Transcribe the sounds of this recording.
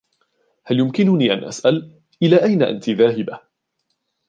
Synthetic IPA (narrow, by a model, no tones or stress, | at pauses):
haljʊmkɪnʊniːʔa̰nʔa̰sʔal | ʔɪlaːʔajnaʔa̰nt̪iðaːɦɪba